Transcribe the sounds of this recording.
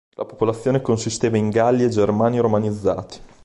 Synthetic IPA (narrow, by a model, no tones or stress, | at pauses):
lʔa̰po̥polat̪sːjoːnekonsist̪eːvaiŋɡalːied͡ʒermaːniɾomanid̪zːa̰ːt̪i̥